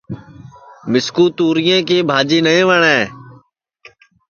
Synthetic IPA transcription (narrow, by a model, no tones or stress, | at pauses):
mɪskuːt̪uːɾɪjẽːkeːbʱaːd͡ʒiːnəẽːʋəɳɛ̃ː